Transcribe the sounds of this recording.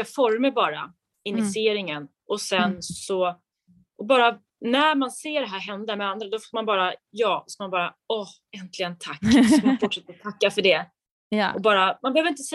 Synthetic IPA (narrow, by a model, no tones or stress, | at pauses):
afɔɾməbɑːɾa̰ | ɪnːɪseːɾɪŋən | ɔsɛnsɔ | ʔɔbɑːɾa | næɾmanseːɖɛɦæːɾɦɛnd̪amɛand̪ɾad̪ɔfoːɾmanbɑːɾajɑːsɔmanbɑːɾa | ɔh | ɛnt̪ʰlɪɡənt̪ʰakːsɔmanfʊʈʂɛt̪ːəɾɔt̪ʰakːafœɖɛ | ɔbɑːɾamanbɛhøːvɾɪnt̪əsɛ